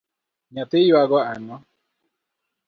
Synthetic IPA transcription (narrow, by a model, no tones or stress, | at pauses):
ɲatejwaɡɔanɔ